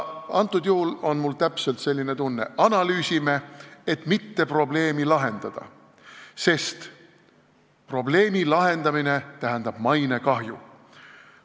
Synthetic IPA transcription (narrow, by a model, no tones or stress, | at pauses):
ɑnt̪ːˑud̪̥juhulo̞nmult̪æpse̞lt̪se̞lʲːine̞t̪unːeɑnɑlyːsime̞et̪ˑmit̪ːe̞pro̞ble̞ːmilɑɦe̞nd̪̥ɑd̪̥ɑ̰ | se̞st̪ | pro̞ble̞ːmilɑɦe̞nd̪̥ɑmine̞t̪æɦænd̪̥ɑb̥mɑjne̞kɑɦjṵ